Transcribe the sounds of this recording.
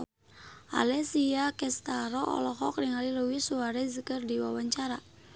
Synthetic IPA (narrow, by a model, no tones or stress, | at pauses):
ʔa̰lɛsiakɛst̪aɾɔʔɔ̰lɔhɔkɾiŋaliluwisuaɾɛzəkərdiwawaɲt͡ʃaɾa